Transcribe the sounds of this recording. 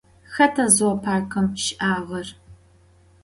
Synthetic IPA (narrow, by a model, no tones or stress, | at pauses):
xɐtʰɐzwɐpʰaːkʰɐmʃʔaːʁɐr